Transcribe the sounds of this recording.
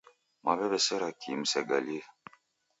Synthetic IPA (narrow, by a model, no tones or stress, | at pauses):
maβɛβɛsɛɾakʰimsɛɡa̰li